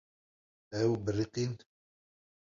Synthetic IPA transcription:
wbərːiqin

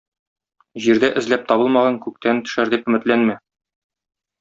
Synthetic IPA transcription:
ʑiɾd̪æʔɘ̆zlæp̚t̪ɒβɤlˠmɑʁɑŋkʉk̚t̪ʰænt̪ɵ̥̆ʃæɾd̪ipɵ̆mɘ̆t̪lænmæ

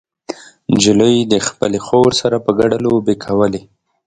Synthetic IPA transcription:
nd͡ʒɪləjd̪əxpəlexoɾsaɾapəɡaɖalobekʰawəle

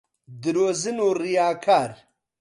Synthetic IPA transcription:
d̪iɾoːzinoɾijaːkʰaːɾ

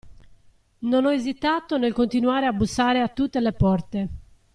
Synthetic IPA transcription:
nonɔezit̪aːt̪onelkont̪inuaːɾeabusːaːɾeat̪ːut̪ːelepɔrt̪e

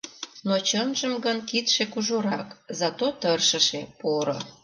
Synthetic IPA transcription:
not͡ɕənʒəmɡənkit̪ʃekuʒoɾɑkzɑt̪ot̪ərʃəʃepoɾo̰

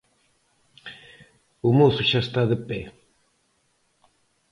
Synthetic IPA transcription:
ʊmoθʊʃaest̪aðepe

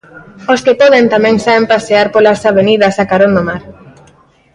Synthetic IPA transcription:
oskepɔðent̪amɛ̃ŋsaβempaseaɾpolasaβ̞eniðɐsakaɾond̪omaɾ

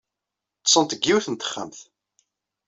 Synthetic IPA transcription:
t̪sˤːənt̪əɡːiwθənt̪ə̥χːə̰mθ

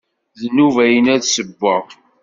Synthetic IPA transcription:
ðənːuvæjənæðsəbːə

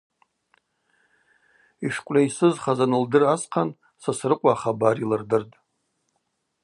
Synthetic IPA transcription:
iʂkʷʼlʲaisɨzχazanɨldɨrasqʰan | sasrɨqʷʼaːχabarilɨrdɨrtʼ

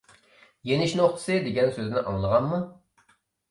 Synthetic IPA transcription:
jenɪʃnoχt̪ʰɨ̥sɨd̪eɡʲɛnsøznɪʔɑ̰ŋlˠəʁɑnmu

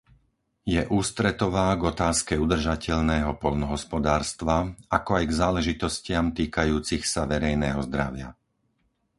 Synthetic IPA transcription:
jɛʔuːst̪ɾɛt̪ɔʋaːɡɔt̪aːskɛud̪r̩ʒacɛʎnɛːɦɔpɔʎnɔɦɔspɔd̪aːɾst̪ʋaakɔajɡzaːlɛʒit̪ɔscɪamt̪iːkajuːt͡sixsaʋɛɾɛjnɛːɦɔzd̪ɾaʋɪa̰

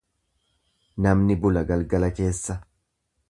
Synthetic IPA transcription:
nɐmnɪbʊlɐɡɐlɡɐlɐke̞ːsːɐ

